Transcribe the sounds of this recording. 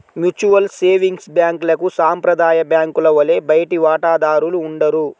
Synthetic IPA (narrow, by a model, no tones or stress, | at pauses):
mjut͡ʃuʋɐlseːʋiŋɡsbjaːŋklɐkusaːmpɾɐd̪aːjɐbjaːŋkulɐʋɐle̞ːbɐjɐʈiʋaːʈaːd̪aːɾuluːɳɖɐɾu